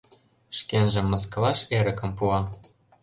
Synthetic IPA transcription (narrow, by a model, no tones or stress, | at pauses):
ʃkʲenʒĕmːɤ̆s̬kɤ̆lɑʃeɾɘ̆kɤ̆mpuɑ